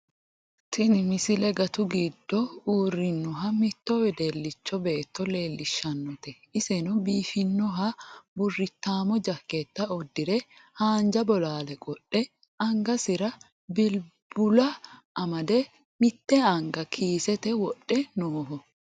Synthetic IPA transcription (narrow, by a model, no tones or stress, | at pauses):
t̪ʰɪnɪmɪsɪlɛɡɐt̪ʊɡid̪ːɔuːrːɪnːɔɦɐmɪt̪ːɔwɛd̪elːɪt͡ʃːɔbe̞ːt̪ːɔle̞ːlːɪʃːɐnːɔt̪ɛ | ɪsɛnɔbiːfɪnːɔɦɐbʊrːɪt̪ːaːmɔd͡ʒɐkːet̪ːɐɔd̪ːɪɾɛhaːnd͡ʒɐbɔlaːlɛkʼɔɗːɛ | ɐŋɡɐsɪɾɐ | bɪlbʊlɐʔɐmɐd̪ɛ | mɪt̪ːɛɐŋɡɐkʰiːsɛt̪ɛwɔɗːɛnoːɦɔ